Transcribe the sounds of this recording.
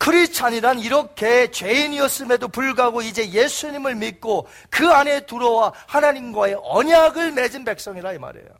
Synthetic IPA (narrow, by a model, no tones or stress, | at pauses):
kʰɯɾit͡ɕʰaɲiɾaniɾʌkʰe̞t͡ɕwe̞iniʌs͈ɯme̞dopuɭɡaɡoid͡ʑe̞je̞sʰuɲimɯɭmik̚k͈o | kɯane̞tuɾʌwahanaɲimɡwae̞ʔʌɲaɡɯɭme̞d͡ʑinbe̞k̚s͈ʌŋiɾaima̰ɾe̞̰jo̰